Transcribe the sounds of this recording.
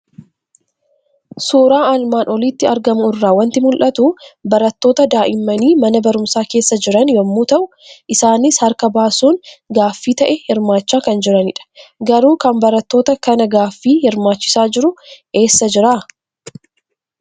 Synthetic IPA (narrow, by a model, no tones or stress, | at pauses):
suːɾaːaːlmaːnʔɔliːt̪ːɪɐɾɡɐmʊɪrːaːwɐnt̪ɪmʊlʔɐt̪ʊbɐɾɐt̪ːo̞ːt̪ɐd̪aːʔɪmːɐniːmɐnɐbɐɾʊmsaːke̞ːsːɐd͡ʒɪɾɐnjɐmːuːt̪ɐʔʊ | ʔɪsaːnɪshɐɾkɐbaːsuːnɡaːfːiːt̪ɐʔɛhɪɾmaːt͡ʃːaːkɐnd͡ʒɪɾɐnɪᶑɐ̥ɡɐɾuːkɐmbɐɾɐt̪ːo̞ːt̪ɐkɐnɐɡaːfːiːhɪɾmaːt͡ʃːɪ̥saːd͡ʒɪɾʊʔe̞ːsːɐd͡ʒɪɾa